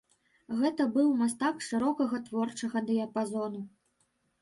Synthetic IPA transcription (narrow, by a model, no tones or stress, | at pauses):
ɣɛt̪ɐbɨwmast̪akʂɨɾɔkɐɣɐt̪vɔrt͡ʂɐɣɐd̪ɨjɐpazɔnu